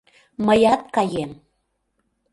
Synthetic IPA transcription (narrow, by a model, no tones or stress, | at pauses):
məjɑt̪̚kɑjem